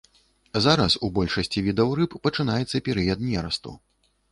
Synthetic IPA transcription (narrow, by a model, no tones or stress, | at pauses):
zaɾɐsubɔlʲʂɐsʲt͡sʲivʲid̪ɐwrɨpːɐt͡ʂɨn̪ajɛt̪sːɐpʲɛɾɨjɐd̪̚nʲɛɾɐst̪ṵ